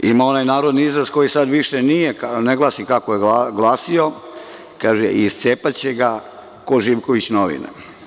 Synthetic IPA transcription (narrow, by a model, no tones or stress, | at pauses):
imao̞najnaːɾo̞d̪niizɾazko̞jisad̪ʋiʃenijekneɡlˠaːsikakojeɡaɡlˠaːsio̞ | kaːʒeʔist̪seːpat͡ɕe̞ɡa | koʒiʋkoʋit͡ɕnoʋḭnḛ